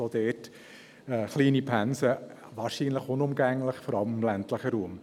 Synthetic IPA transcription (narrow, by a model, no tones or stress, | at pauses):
od̥̪ɛːt | ɛχliːnipʰænsə | ʋɑːɾʃiːnləχʊnʊmɡæŋləχfɔɾɑlmɪmlæntləχəɾuːm